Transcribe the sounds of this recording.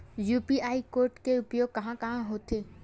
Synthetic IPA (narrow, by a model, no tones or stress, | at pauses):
juːpiʔaːikoːɾʈkeʊpjoːɡ̚kɐɦãkɐɦãɦoːt̪eː